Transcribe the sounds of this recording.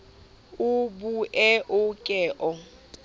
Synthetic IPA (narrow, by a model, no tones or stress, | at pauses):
ʊbuʔɛʔʊkʼɛːʔɔ